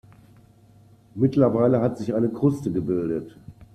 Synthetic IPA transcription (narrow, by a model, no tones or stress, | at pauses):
mɪtlɐvaɪləɦatz̥ɪçʔaɪnəkʁ̥ʊstəɡəbɪldət